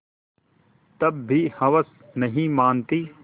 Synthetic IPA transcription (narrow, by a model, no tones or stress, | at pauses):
t̪ɐbːihɐʋəs | nɐɦĩmaːnt̪iː